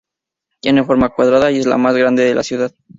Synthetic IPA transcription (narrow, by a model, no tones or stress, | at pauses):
t̪enefo̞ɾmakwaðɾaðaje̞zla̰mazɣɾand̪e̞ðe̞lasjuðað